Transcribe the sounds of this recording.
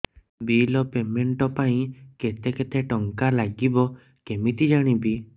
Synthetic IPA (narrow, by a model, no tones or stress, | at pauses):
bilɔpemeɳʈɔpaĩket̪eket̪eʈɔŋkalaɡibɔ | kemit̪id͡ʒaɽ̃ibi